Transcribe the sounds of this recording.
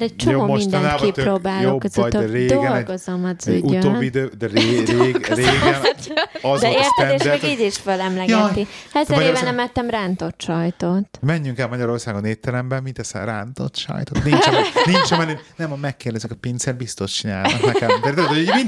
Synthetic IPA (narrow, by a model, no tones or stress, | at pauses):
ɾɛc̚t͡ʃoomoːmoinnakit̪ɾoːbaːljokɛzɔtøɾeːd̪ɡoɛlɡozɒmɒd̪zyɟuøoːbːiid̪øːd̪ɛɾeɡɾeːɡɛnɒzd̪ɛeːrt̪ɛemɛɡ̪iːɟiʃfølɛmlɛɡjɔt̪ihɛzɛmːɾbnɛmɛt̪ːɛmrant̪o̞t̪ʃɒjt̪ot̪mɛɲːyŋkɛlmɒɟɒɾo̞rsaːɡoneːpt̪ːɛlɛmbɛmmint̪ɛsɛ̰ɾa̰nt̪o̰t̪ʃɒ̰jt̪ot̪nint͡ʃnint͡ʃɛmɛlynɛmɒmɛkːeːrd̪ɛzykɒpint̪sɛrbist̪o̞ʃt͡ʃina̰ːlɔnɛkɛmɛt̪ɛojmin